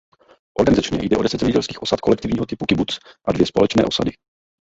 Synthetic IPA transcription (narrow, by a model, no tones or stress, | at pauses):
ʔo̞ɾɡanɪzat͡ʃɲɛ̰jdɛʔo̞dɛsɛdzɛmɲɛɟɛlskiːxʔo̞sat̪̚ko̞lɛk̚t̪ɪvɲiːɦot̪ɪpukɪbut͡sʔadvjɛspo̞lɛt͡ʃnɛ̰ːʔo̞sa̰dɪ